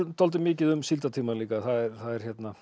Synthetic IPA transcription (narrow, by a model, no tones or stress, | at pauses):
t̪ʰɔlt̪̬ɪmɪːcɪðʏmsilt̪at̪ʰiːmaliːkaθaðɛɾ̥θaðɛɾ̥çjɛt̪na